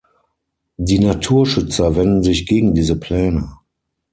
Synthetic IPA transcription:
diːnatʰuːɐʃʏt͡sɐvɛndn̩zɪçɡ̥eːɡŋ̩diːzəpʰl̥ɛːnə

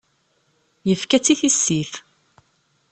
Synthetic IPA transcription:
jəfkæt͡sːiθisːiθ

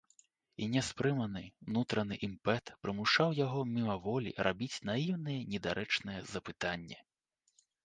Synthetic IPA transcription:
inʲɛspɾɨmɐnɨnut̪ɾɐnɨʔimpɛt̪pɾɨmuʂawjaɣɔmʲimɐvɔlʲḭɾʔabʲit͡sʲnajiwnɨjɛnʲɛd̪aɾʔɛt͡ʂnɨjɛzɐpɨt̪anʲːɛ

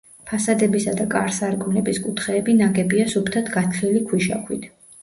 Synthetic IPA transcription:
pʰasad̪ɛbisad̪akʼaɾsaɾkʼunɛbiskʼut̪ʰχɛːbinaɡɛbiasupʰt̪ʰat̪ʰɡat̪ʰχilikʰwiʃa̰kʰwḭt̪ʰ

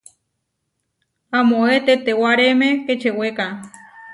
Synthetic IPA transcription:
amoet̪et̪ewaɾemeket͡ʃeweka

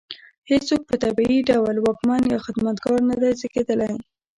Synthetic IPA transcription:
het͡sok̚pət̪abiiɖawlwɑkmanjɑxɪd̪mat̪ɡɑɾnad̪ajzəked̪əlaj

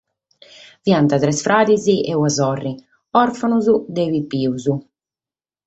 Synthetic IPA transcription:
vjant̪at̪ɾɛsfɾʔaːd̪iziʔɛwazɔrːi | ɔɾfanuzud̪ɛvipːiːuzu

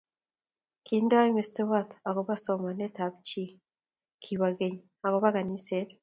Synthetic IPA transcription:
kindaimestewat̪aɣoβasomanetaβit͡ʃi | kʰiβaɡeɲi | aɣoβaɡaniseɾ

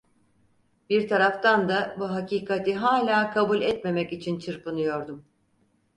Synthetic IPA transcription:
biɾt̪ʰaɾaft̪ʰand̪abuɦacʰiːkʰat̪ʰiɦaːlʲaːkʰabulʲɛt̪me̞mɛcit͡ʃʰint͡ʃʰɯɾpɯnɯjo̞ɾd̪um

